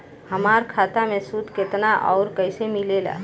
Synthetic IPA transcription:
həmaːɾkʰaːt̪amẽsud̪ʱket̪naʔɔ̰ʊɾkəɪsemilela̰

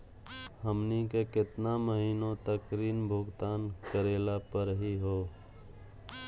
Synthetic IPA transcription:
həmnikekɪt̪naməɦiːnõt̪əkɾiːnbʱʊɡt̪aːnkəɾeːlapəɾɦiɦoː

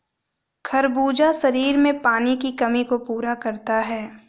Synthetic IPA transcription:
kʰɐɾbuːd͡ʒasɐɾiːɾmẽpaːnikikɐmikopuːɾakɐɾt̪aɦɛː

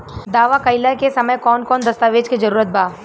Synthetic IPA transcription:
d̪aːʋakɐɪlakesɐməjkɔːnkɔːnd̪ɐst̪aʋeːd͡ʒkid͡ʒɐɾuːɾət̪̚baː

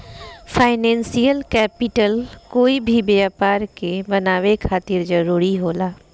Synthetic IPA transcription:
pʰaːɪnɛ̃ːnsijəlkɛːpɪʈəlkoːibʱibeaːpaːɾkebənaːʋekʰaːt̪ɪɾd͡ʒəɾuːɾiɦoːlaː

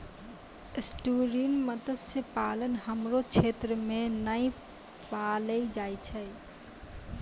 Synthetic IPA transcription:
sʈuɾiɳməd̪əsepalənɦəmɾot͡ʃʰet̪ɾəmenəj | paləid͡ʒajt͡ʃʰə

